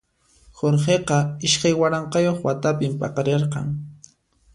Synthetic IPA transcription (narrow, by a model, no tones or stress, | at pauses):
xoɾχeqɑɪʃkajwaɾɑɴqɑjoχwat̪apɪmpɑ̰qɑɾeɾqɑ̰ŋ